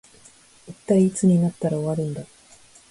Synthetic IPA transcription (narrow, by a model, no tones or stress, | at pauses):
it̪ːaiːt͡sɨɲ̟inat̪ːaɾao̞βaɾɯ̟̃nd̪a